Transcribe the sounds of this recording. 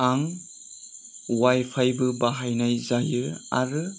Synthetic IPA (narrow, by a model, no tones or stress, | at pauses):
aŋ | wajpʰajbɯbaɦajnajzajɯa̰ɾɯ